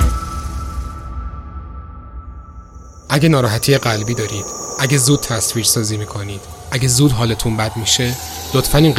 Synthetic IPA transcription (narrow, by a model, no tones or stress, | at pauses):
ʔæɟenɒːɾɒːɦæt̪ʰijeɢælbiːd̪ɒːɾiːd̪̥ʔæɟezuːd̪̥̚t̪ʰæsviːɾsɒːziːmiːkʰo̞niːd̪̥ʔæɟezuːd̪ɦɒːlet̪ʰunbæd̪miʃe̞ | lot̪fæniːn